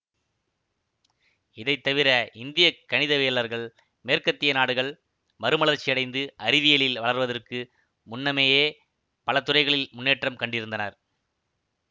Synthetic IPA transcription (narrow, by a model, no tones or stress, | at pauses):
ɪðɐɪt̪ːɐʋɪɾɐʔɪnd̪ɪjɐkːɐɳɪðɐʋeːlɐɾɣɐɭ | meːɾkɐt̪ːɪjɐnaːɽɯɣɐɭ | mɐɾɯmɐɭɐɾt͡ʃːɪjɐɽɐɪnd̪ɯʔɐɾɪðɪjɐɭɪlʋɐɭɐɾʋɐðɐrkɯ | mʊnːɐmeːjeː | pɐlɐt̪ʊrɐɪɣɐɭɪlmʊnːeːʈrɐmkɐɳɖɪɾɯnd̪ɐnɐɾ